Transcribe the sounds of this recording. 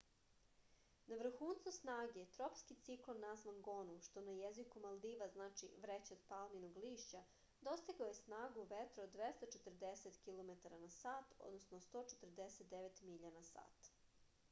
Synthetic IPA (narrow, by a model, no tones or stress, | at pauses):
naʋɾ̩xuːnsosnaːɡe̞t̪ɾopskit̪siklˠonːazʋanɡo̞nuʃt̪o̞najezikumalˠd̪iːʋaznaːt͡ʃḭʋɾet͡ɕed̪palminoɡliːʃt͡ɕa | d̪o̞st̪iɡaojesnaːɡuʋet̪ɾood̪ʋest̪at͡ʃet̪r̩d̪eset̪kilˠo̞met̪aɾanasaːt̪o̰d̪nosnost̪o̞ːt͡ʃet̪r̩d̪eset̪̚d̪eʋet̪miʎanasa̰ːt̪